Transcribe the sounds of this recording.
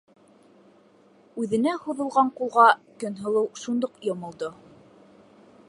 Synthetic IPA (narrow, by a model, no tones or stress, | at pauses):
ʉðɘ̆næhuðɤ̆lˠʁɑɴqulˠʁɑkɵnɦɤ̆lˠɤwʃund̪oqjŏmŏlˠd̪o